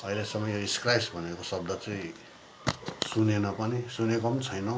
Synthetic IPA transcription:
ʌilesʌmːʌjoiskrajsbʱʌnekosʌbd̪ʌt͡sʌĩ | sunenʌpʌnisunekʌt͡sʰʌjnʌ

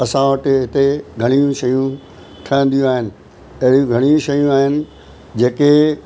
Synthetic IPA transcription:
ɐsãʋəʈɦɪt̪eɡʱɐɽ̃ijũʃɐjũ | ʈʰɐə̃n̆d̪ijũaːɦɪnɪ̆ | ɐɦɾũɡʱɐɽ̃iũʃɐjũaːɦɪnɪ̆ | d͡ʑeːke

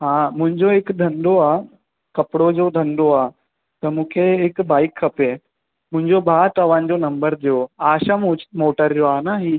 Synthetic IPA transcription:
ɦãːmʊ̃ɦɪ̃ɲd͡ʑoɦɪkd̪ʱɐ̃nd̪oaː | kɐpɪɽod͡ʑoːd̪ʱɐ̃nd̪oaː | t̪ɐmũːkʰeɦɪkbaːɪkʰːɐpe | mʊ̃ɦɪ̃ɲd͡ʑobʱaːt̪ɐʋaːnɪ̆d͡ʑoːnɐ̃mbəɾd͡ʑoːaːʃəmʊt͡ɕɪ̥moːʈəɾjoaːnaɦiː

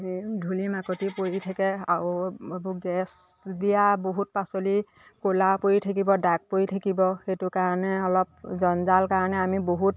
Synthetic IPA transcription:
dʱulimakotipoɹitʰakɛaabuɡɛs | dijaboɦut̚pasoli | kolapojitʰak̬ibɔdak̚poitʰakibɔxetʊkaɹɔnɛɔlɔp̚zɔnzalkaɹɔnɛamiboɦut

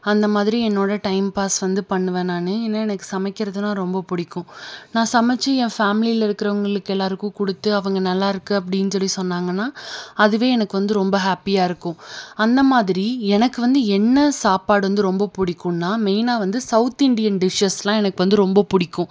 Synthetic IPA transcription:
ɐnd̪ɐmaːðɪɾiɛnːoːɽɐʈɐɪmpaːsʋɐnd̪ɯpɐɳːɯʋɐːnaːnɯɛnːɐɛnɐkːɯ̥sɐmɐkːɪɾɐðɯnãːɾɔmbɐpʊɽɪkːʊ̃nãːsɐmɛt͡ʃːɯɛ̃ːfaːmɪlilɐɪɾɯkːɪɾɐʋɐŋɡɐɭɯkːɛlːaːɾɯkʊ̃kʊɽɯt̪ːɯɐʋɐŋɡɐnɐlːaːɪɾɯkːɯɐp̬ːɐɽɪjnːɯsɔlːisɔnːaːŋɡɐnːaːɐðɯʋeːɛnɐkːɯʋɐnd̪ɯɾɔmbɐɦaːpijaːɪɾɯkːʊ̃ɐnd̪ɐmaːðɪɾiɛnɐkːɯʋɐnd̪ɯɛnːɐsaːpaːɽɯʋɐnd̪ɯɾɔmbɐpʊɽɪkːʊ̃nːaːmeːnaːʋɐnd̪ɯsɐʊt̪ɪɳɖɪjɐnɖɪʂɐslãːɛnɐkːɯʋɐnd̪ɯɾɔmbɐpʊɽɪkːʊ̃

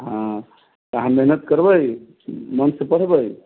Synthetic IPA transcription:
ɦã | t̪aɦãmeɦnət̪kəɾbəj | mənsepəɽ̤bəj

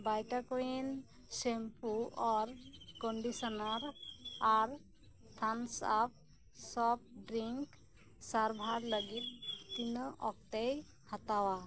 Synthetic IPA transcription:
bajʈakuin | sempuɔɾkɔɳɖisɔnaɾaɾ | t̪ʰansap̚ | sɔp̚ɖɾiŋk | saɾbʱaɾləɡit̪̚ːinɔʔɔk̚t̪ej | hat̪awa

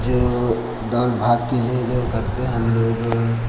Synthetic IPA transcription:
d͡ʒoː | d̪ɔːlbʱaːɡ̚kelied͡ʒokɐɾt̪eɦɛ̃ɦɐmloːɡ

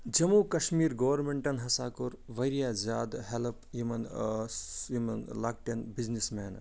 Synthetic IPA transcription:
d͡ʒɐmukɐʃmiːɾɡɐʋɐɾmeɳʈɐnɦɐsaːkuɾʋɐjɾijaːzʲaːd̪ɦelpjimɐn | imɐnlaːk̚ʈɐnbiznismeːn

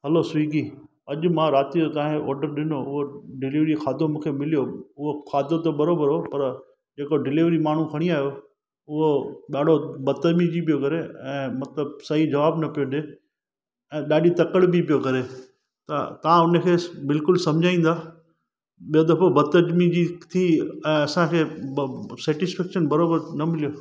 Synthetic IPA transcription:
ɦɐlosʋiːɡi | ɐʄ̆mãɾaːt̪iot̪ɐãɔːɾɖəɾɗɪnoʊɦoɖɪliʋɾixʰaːd̪ʱomũːkʰemɪlijoʊɦoxʰaːd̪ʱot̪obɐɾobəɾɦopɐɾ | d͡ʑeːkoɖɪliːʋɾimaːɳ̤ũkʰɐɽ̃iaːɦjo | ʊɦoɗaːɖ̤ʱobɐt̪əd͡ʑmid͡ʑip̬ijokɐɾeɛ̃ːmɐt̪ləbsɐɦid͡ʑɐʋaːbnɐpijoɗe | ɛ̃ːɗaːɗit̪ɐkəɽbipijokɐɾe | t̪ɐ̰t̪ɐʋãʊnəkʰeːbɪlkʊlsɐ̃md͡ʑʱaːĩːnd̪aː | ɓijod̪ɐfobɐd̪t̪əd͡ʑmid͡ʑit̪ʰiɛ̃ːɐsãkʰeː | sɛːʈɪsfɛːkʃənbɐɾoːbəɾnɐmɪlijo

